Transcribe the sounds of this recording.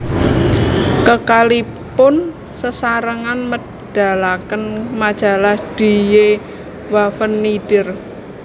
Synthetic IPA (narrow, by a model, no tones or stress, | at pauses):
kəkalipʊn | səsaɾəŋanmə | d̥a̤lakənmad̥ʒ̥a̤lahd̥i̤je | wafənːiɖ̥ɪr